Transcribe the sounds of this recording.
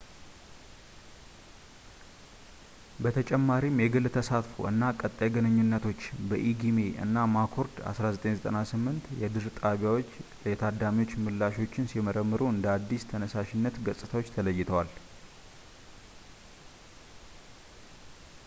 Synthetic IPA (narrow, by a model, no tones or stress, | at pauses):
bət̪ʰət͡ʃʼɛmːaɾimjɛɡɨlt̪ʰəsat̪fo̰ʔɨnːakʼət̪ʼːajɛɡənəɲːunːət̪ʰo̞t͡ʃːbəʔiɡime̞ʔɨ̰nːamakʰo̞ɾd̪a̰sɾazət̪ʼeɲzət̪ʼənasɨmːɨnt̪jɛd̪ɨɾt̪ʼaβjawo̞t͡ʃːlət̪ʰad̪amiwo̞t͡ʃːmɨlːaʃo̞t͡ʃːɪnsiməɾəmːɨɾoɨnd̪əad̪ːist̪ʰənəsaʃɪnːət̪ɡəsʼɨt̪ʰawot͡ʃːt̪ʰələjːɪt̪ʰəwal